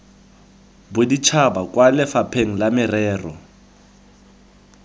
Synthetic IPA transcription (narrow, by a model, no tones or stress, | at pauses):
bʊdit͡ʃʰabakʼwalɪfapʰeŋ̩lamɪrɛːrɔ